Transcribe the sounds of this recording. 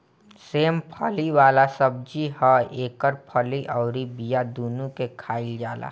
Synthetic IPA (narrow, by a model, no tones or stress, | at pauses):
seːmpʰəliwaːlasəb̚d͡ʒiɦɔeːkəɾpʰəliʔɔːɾibijad̪uːnũkekʰaːɪld͡ʒaːla̰ː